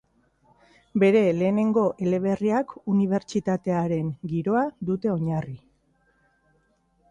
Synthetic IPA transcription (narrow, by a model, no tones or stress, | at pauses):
be̞ɾe̞le̞ːne̞ŋɡo̞ʔele̞β̞e̞riakuniβ̞e̞ɾt͡ʃit̪at̪e̞aɾe̞ŋɡiɾo̞aðut̪e̞o̞ɲari